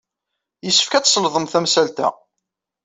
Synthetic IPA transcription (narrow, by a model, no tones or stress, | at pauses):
jəsːə̥fkæt͡ssˤləðˤəmθæmsælt̪æ̰